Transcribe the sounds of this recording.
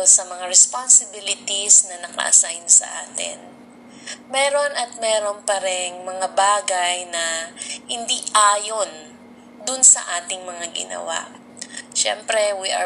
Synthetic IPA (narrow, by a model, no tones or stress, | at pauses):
osɐmɐŋaɹɛspansɪbilɪt̪isnɐnɐkɐ̰ʔɐ̰sajnsɐ̰ʔaːt̪ɪ̰n | mɛːɾo̞nʔɐt̪̚mɛːɾo̞npɐɾɛŋmɐŋabaːɡajnɐhɪnd̪iʔaːjo̞n | d̪ʊnsɐ̰ʔaːt̪ɪŋmɐŋaɡɪ̰nɐ̰wa̰ʔ | ʃɛ̰mpɾɛwiʔɐ̰